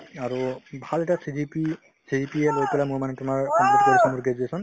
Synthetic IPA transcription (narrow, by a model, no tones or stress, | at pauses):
aɹubʱalɛtasidipi | sidipielojpɛlamumanɛtʊmaɹkɔmplit̚koɹisʰɔmuɹɡed͡ʒuesɔn